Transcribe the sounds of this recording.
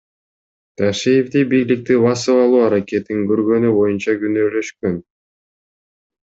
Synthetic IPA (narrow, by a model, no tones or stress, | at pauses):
t̪ʰaʃijevd̪ibijlik̚t̪iβɑsɯɑlˠuːɑɾake̞t̪iŋɡøɾɡø̞nybo̞junt͡ʃɑɡynøːlø̞ʃkø̞n